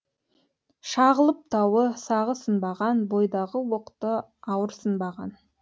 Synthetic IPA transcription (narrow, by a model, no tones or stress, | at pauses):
ʃɑʁəlˠəp̚t̪ʰɑwəsɑʁəsənbɑʁɑnbo̞jd̪ɑʁəwoqt̪əɑwəɾsənbɑʁɑn